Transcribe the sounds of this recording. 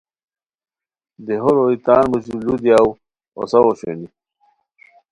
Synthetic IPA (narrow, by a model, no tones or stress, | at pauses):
d̪eɦoɾoit̪aːnmuɕulud̪jaw | o̰sɐwoɕḛni